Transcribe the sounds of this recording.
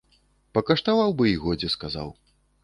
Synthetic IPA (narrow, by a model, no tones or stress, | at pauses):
pɐkɐʂt̪avawbɨiɣɔd͡zʲɛskaza̰w